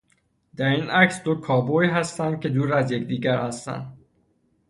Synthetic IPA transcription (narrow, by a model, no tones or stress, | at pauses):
d̪̥æɾiːnʔæcsd̪o̞kʰɒːboiɦæst̪ænd̪̚cʰe̞d̪uːɾæzje̞cd̪iːɟæɾhæst̪æ̰nd̪